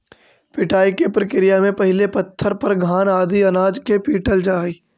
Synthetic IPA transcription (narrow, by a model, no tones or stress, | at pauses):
pɪʈʰaːikepɾəkɾɪjamẽpɐɦɪlepɐt̪ʰːəɾpɐɾɡʱaːnaːd̪iɐnaːd͡ʒkepiːʈəld͡ʒaːiː